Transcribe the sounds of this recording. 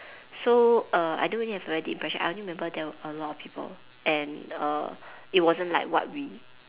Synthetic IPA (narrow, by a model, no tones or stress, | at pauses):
soʌa̰ɪjdõnwĩihɛvɹɛdiĩmpʰɹɛʃə̃na̰jdõnɹimɛ̃mbədɛwəʔəlɔtɔfpʰiːpʰə̰l | ʔɛ̃nʌ̰it̚wɔzə̃nlaɪkwɔ̰t̚wi